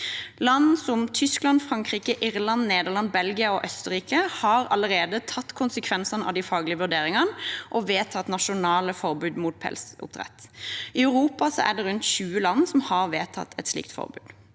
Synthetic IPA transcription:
lɑnːsɔmt̪ʰʏsklɑnfʁɑŋkʁiːkəʔɪʁlɑnneːd̪əʁlɑnbɛlɡɪɑɔʔœst̪əɾiːkəhɑɾɑləɾʁeːd̪ət̪ʰɑt̪ːkʰʊnsəkʰʋɛnsɑnɑ̰ʋd̪ɪfɑːɡlɪəʋʉʁɖ̪eːɾɪŋənʔɔʋeːt̪ʰɑt̪nɑʃʊnɑːləfɔʁbʉːd̪muːt̪̚pʰɛ̰lsʊ̰p̚t̪ʁɛ̰t̪ːɪœʉʁuːpɑsɔ̰ʔæ̰ʁɖ̪ɛɾʉnt̪ɕʉːəlɑnːsɔmhɑʁʋeːt̪ʰɑ̰t̪ʰːɛt̪slḭːk̚t̪fɔ̰ʁbʉ̰ːd̪̥

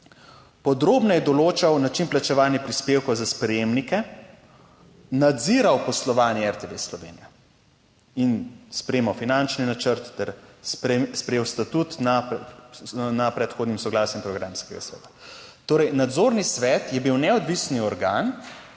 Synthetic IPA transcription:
pɔd̪ɾoːbnɔjɛd̪ɔloːt͡ʃawnat͡ʃinplat͡ʃɛʋaːlnjɛpɾispeːwkɔwzaspɾɛjeːmnikɛ | nad̪ziɾawpɔslɔʋaːnjɛɛɾt̪eʋeslɔʋḛːnijɛ | inspɾɛjemawfinant͡ʃninat͡ʃəɾt̪ːɛɾsɛspɾɛjeːwst̪at̪ut̪na | napɾɛt̪xoːd̪nimsɔɡlaːsjimpɾɔɡɾamskɛɡa̰sʋɛ̰ːt̪ḁt̪oːɾɛjnad̪zoːɾnisʋɛːt̪jɛbiwnɛɔd̪ʋisniɔɾɡaːn

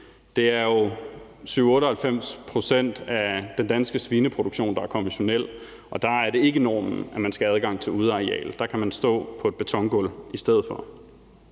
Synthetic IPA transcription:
d̥e̝æɐjo̝ | syʊɔ̽ːɾəhælfem̰spʰʁo̝sen̰d̥æd̥end̥ænsɡ̥əsʋiːnəpʰʁo̝d̥uɡ̥ɕo̝̰ːnd̥ɑ̈æɐkʰɒ̽miɕo̝nel̰ | ʔɒ̽d̥ɑ̈æɐɾe̝e̝ɡ̥ənɒːmn̩ʔæmænsɡ̥ææð̞ˠɡ̥ɑ̈ŋ̰t͡sʰe̝luð̞ˠɑ̈ʁiɛ̰ːld̥ɑ̈kʰæmænsd̥ɔ̰̽ːpʰɒ̽e̝d̥b̥e̝t͡sʰɒ̽ŋɡ̥ɔlisd̥eð̞̰̩ˠfɒ̽

